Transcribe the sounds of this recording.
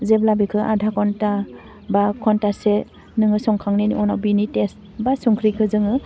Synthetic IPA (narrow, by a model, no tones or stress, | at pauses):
zeblabikʰɯʔa̰dʱakʰɔnta | bakʰɔntase | nɯŋɯsɔŋkʰaŋneniʔɔna̰wbinites | basuŋkʰɾikʰɯzɯŋɯ